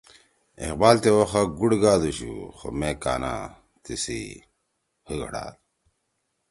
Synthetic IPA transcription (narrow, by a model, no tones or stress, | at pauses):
ḭqbaːlt̪ewoxaɡuɽɡaːd̪uɕṵxomekaːna̰ | t̪isḭ | hiɡɐɽa̰ːd̪